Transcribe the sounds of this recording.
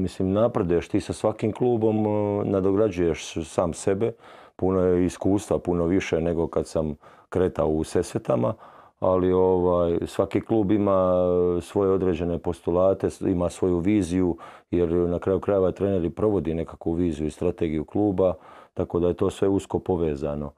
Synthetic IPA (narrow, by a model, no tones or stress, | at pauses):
misliːmnapɾad̪uje̞ʃt̪iːsasʋakiːmklˠuːbo̞mned̪oɡɾad͡ʑuje̞ʃsaːmse̞bepunojeiskuːst̪ʋapuno̞ʋiʃene̞ɡo̞kad̪sam | kɾe̞ːt̪aouse̞set̪ama | alioʋaːjsʋakiːklˠuːbimaːsʋo̞jeo̞d̪ɾed͡ʑe̞nepo̞st̪ulˠaːt̪eimaːsʋo̞juʋiːzijujeɾnakɾajukɾaje̞ʋat̪ɾene̞ɾipɾo̞ʋo̞d̪ine̞kakʋuʋiːzijuist̪ɾat̪eɡijuklˠuːbat̪ako̞d̪ajet̪o̞ːsʋe̞uskopo̞ʋeːzano̞